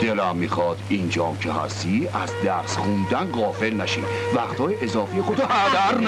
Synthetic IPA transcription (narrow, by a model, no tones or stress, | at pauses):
d̪̥elæmːiːxɒːd̪ind͡ʒɒːmcʰeɦæ̰st̪iæzd̪æɾsχund̪ænɢɒːfe̞lnæʃḭːvæxt̪hɒːjeʔezɒːfijexod̪ʰɒhæd̪æɾn